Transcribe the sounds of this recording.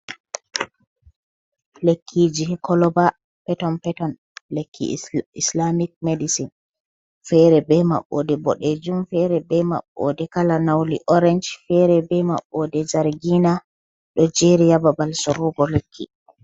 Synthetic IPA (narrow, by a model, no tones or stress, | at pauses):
lekʰːid͡ʒihɛkɔlɔba | pɛtɔnpɛtɔn | lekʰːḭislamik̚medisin | fɛɾɛbɛma̰ɓːɔ̰dɛbɔɗed͡ʒumfɛɾɛbɛma̰ɓːɔ̰dɛkalanawlḭʔɔɾɛnd͡ʒfɛɾɛbɛma̰ɓːɔdɛd͡ʒaɾɡina | ɗɔd͡ʒeɾijababalsɔɾuɡɔlekʰːḭ